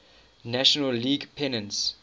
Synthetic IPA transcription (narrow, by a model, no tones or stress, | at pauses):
næʃɔnəlliːɡpʰɛnə̃nts